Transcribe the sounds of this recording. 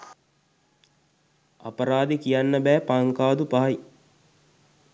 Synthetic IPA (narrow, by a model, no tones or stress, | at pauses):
a̰pɐɾaːd̪ekijanːəbɛːpaŋkaːd̪upaɦaj